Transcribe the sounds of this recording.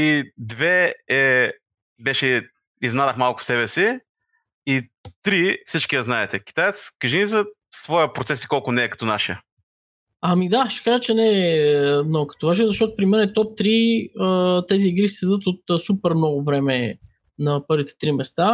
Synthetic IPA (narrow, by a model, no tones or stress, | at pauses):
id̪vɛɛ | bɛʃɛ | iznad̪əxmalˠkʊ̥fsɛβɛsi | it̪ɾifsit͡ʃkʲiɐznaɛt̪ɛk̟i̥t̪ajɛt̪skəʒinizə | svɔjəpɾot̪sɛsi̥kɔlˠkʊnɛːkɐ̥t̪ɔnaʃiə | ɐmid̪aʃɛ̥kaʒət͡ʃɛnɛ | nɔɡʊkɐ̥t̪onaʃijəzɐʃt̪ɔt̪ʊpɾimɛnɛt̪ɔp̚t̪ɾiət̪ɛziːɡɾist̪ɛd̪ɤt̪ot̪supɛɾmnɔɡʊvɾɛmɛ | nɐpɤɾvit̪ɛ̥t̪ɾimɛst̪a